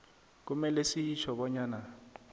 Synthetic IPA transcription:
k̬ʼumɛlɛsiit͡ʃʰɔɓɔɲaːna

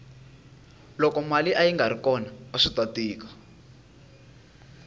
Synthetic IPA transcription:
lɔkɔmaliʔajiŋɡaɾikɔnaaʂitatiːkḁ

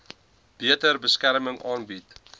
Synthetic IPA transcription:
b̥iətərbəskærməŋʔɑːnbit

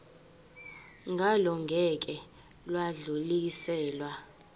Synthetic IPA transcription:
ŋɡʱalɔŋɡʱɛk̬ʼɛ | lwaɮulisɛːlwa

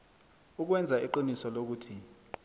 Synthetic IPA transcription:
uk̬wɛnd͡zʱaiǃinisɔlok̬uːtʰi

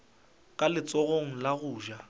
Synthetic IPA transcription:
kʼalɪt͡sʼɔɣoŋ̩laɣʊːʒa

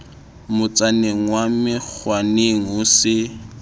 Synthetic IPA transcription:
mʊt͡sʼaneŋ̩wamɪk͡xʰwaneŋ̩ʊsɪ

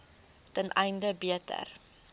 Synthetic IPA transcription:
tənʔɛjndəbiətə̰r

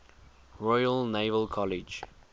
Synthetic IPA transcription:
ɹɔjəlneɪvəlkʰɔlid͡ʒ

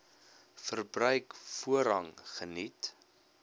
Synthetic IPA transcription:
fərbrœɥkfuəɾɐŋχənit

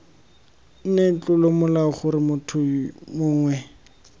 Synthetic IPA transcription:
n̩nɛt͡ɬʊlomʊlaχʊɾɪmʊtʰʊmʊːŋwɛ

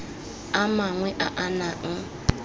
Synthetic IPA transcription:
amaŋwɛʔaʔanaŋ̩

